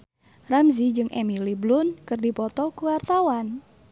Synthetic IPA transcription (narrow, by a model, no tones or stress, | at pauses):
ramzid͡ʒɨŋʔɛ̰miliblʊnkɨrdipɔt̪ɔkuwart̪awan